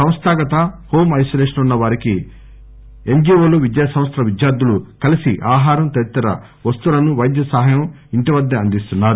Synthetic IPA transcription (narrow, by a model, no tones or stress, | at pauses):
sɐ̃m̃st̪ʰaːɡɐt̪ɐho̞ːmɐjsoleːʂɐnunːɐʋaːɾiki | e̞ɲd͡ʒioːluʋid̪jaːsɐ̃m̃st̪ɾɐʋid̪jaːɾd̪ulukɐlisiʔaːɦaːɾɐmt̪ɐɾit̪ːɐɾɐ̰ | ʋɐst̪ulɐnuʋɐjd̪jɐsɐɦɐjɐm | iɳʈiʋɐd̪ːɐɐnd̪ist̪unːaːɾu